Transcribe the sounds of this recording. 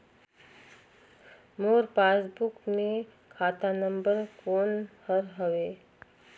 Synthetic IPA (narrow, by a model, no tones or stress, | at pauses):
moːɾpaːsbʊkmẽ | kʰaːt̪anə̃mbəɾkoːnhəɾɦɐʋeː